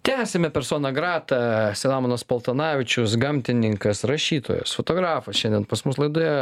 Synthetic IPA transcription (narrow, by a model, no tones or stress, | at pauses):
t̪ʲæːsʲɛmʲɛpʲɛɾsoːnɐɡɾɑːt̪ɐsʲɛlˠɑːmoːnɐspɐlˠt̪ɐnɑːʋʲɪt͡ʃʲʊsɡɐmʲt̪ʲɪnʲɪŋkɐsɾɐʃʲiːt̪o̰jo̰sfot̪oːɡɾɑːfɐsʃʲɛnd̪ʲɛnpɐsmʊslˠɐɪd̪ojɛ